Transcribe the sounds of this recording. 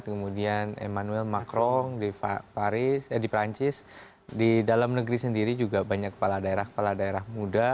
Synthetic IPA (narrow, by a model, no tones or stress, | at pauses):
t̪̚kəmudianḛmanuɛlmakɾɔŋdipaɾɪsdipɾaɲt͡ʃɪs | didalamnəɡɾisəndiɾid͡ʒuɡabaɲakːə̥paladaeɾahkə̥paladaeɾahmuda